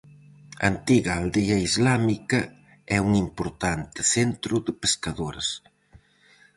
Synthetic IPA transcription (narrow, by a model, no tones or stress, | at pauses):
a̰nt̪iɣɐːld̪eɐizlamikɐ | ɛuŋimpoɾt̪ant̪ɪ̥θent̪ɾʊðɪpeskaðoɾɐs